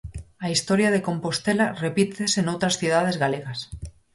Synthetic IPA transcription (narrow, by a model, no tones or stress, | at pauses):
aist̪oɾjaðe̞kõ̞mpo̞st̪elarepit̪esenowt̪ɾasθjuðaðe̞zɣaleɣas